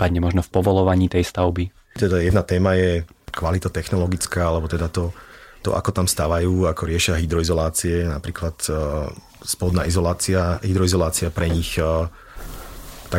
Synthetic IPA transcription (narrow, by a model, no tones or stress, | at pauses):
padɲɛmɔʒnɔfpɔʋɔlɔʋaɲiːt̪ɛjst̪aʊbi | t̪ɛd̪ajɛd̪nat̪ɛːmajɛkʋalit̪at̪ɛxnɔlɔɡit͡skaːalɛbɔt̪ɛd̪at̪ɔt̪ɔ̰ʔa̰kɔt̪amst̪aʋajuːakɔɾɪɛʃɪaɦid̪ɾɔizɔlaːt͡siɛnapɾiːklat̪ | spɔlɔd̪naːizɔlaːt͡siaɦid̪ɾɔizɔlaːt͡siapɾɛɲix | t̪a